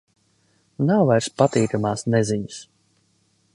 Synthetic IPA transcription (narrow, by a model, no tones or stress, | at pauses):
nawvajɾspat̪iːkamaːsnɛziɲus